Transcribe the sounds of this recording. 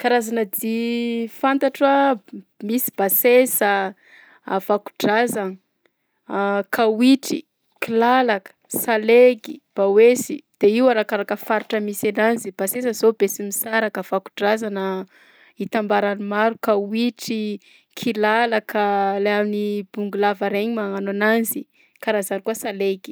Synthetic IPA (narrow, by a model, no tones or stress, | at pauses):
kaɾazanəd̪ifant̪aʈ͡ʂamisi̥b̥asesə | av̥aku̥ɖ͡ʐazan | kʰawiʈ͡ʂḭ | kilalakə̥saleɡḭb̥awesḭd̪̥eiwaɾakaɾakəfaɾiʈ͡ʂəmisananzib̥asesəzobesimisaɾakav̥aku̥ɖ͡ʐazanə | it̪ambaɾanimaɾukawiʈ͡ʂi | kʰilalakʰəlajamnib̥uŋɡulavaɾeɲimaŋanananzi | kaɾazanikuəsaleɡi̥